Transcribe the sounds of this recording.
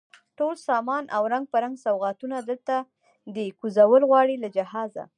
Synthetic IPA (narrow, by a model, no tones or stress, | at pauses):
ʈolsɑmɑnʔa̰wɾaŋɡ̚pəɾaŋɡsawɣɑt̪unad̪əlt̪a | d̪əkuzawəlɣwɑɽilad͡ʒahɑza̰